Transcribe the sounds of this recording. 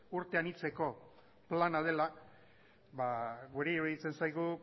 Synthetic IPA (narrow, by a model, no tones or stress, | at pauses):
uɾt̪e̞anit͡se̞ko̞ | planað̞e̞la | βaɣuɾeβeit͡se̞nsajɣu